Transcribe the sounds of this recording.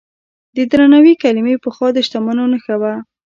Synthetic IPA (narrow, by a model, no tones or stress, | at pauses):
d̪əd̪ɾanawikalɪmepəxwɑd̪əʃt̪amanonəxawa